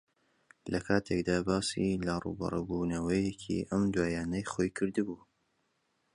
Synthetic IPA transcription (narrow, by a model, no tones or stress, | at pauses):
lɐkʰaːt̪ʰekd̪aːbaːsilarṵːbɐ̰ɾˤɨbuːnɐwɐjekʰḭʔɐmd̪waːjaːnɐjχoːjkʰɨɾd̪ɨbuː